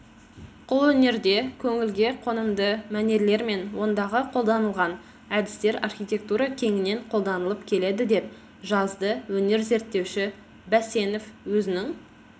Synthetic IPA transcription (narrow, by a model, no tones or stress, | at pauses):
qʰʊlˠwɵne̞ɾd̪e̞kʲʰɵŋɪlɡʲe̞qʰo̞nəmd̪əmæne̞ɾle̞ɾme̞nwo̞nd̪ɑʁəqʰo̞lˠd̪ɑnəlˠʁɑn | æd̪ɪst̪e̞ɾarxʲijt̪ʲe̞k̚t̪uɾɑkʲʰe̞ŋɪne̞ɴqʰo̞lˠd̪ɑnəlˠəpkʲʰe̞le̞d̪ɪd̪e̞p̚ | ʒɑzd̪əwɵne̞ɾze̞ɾt̪ːe̞wʃɪ | bæse̞no̞fwɵzɪnɪŋ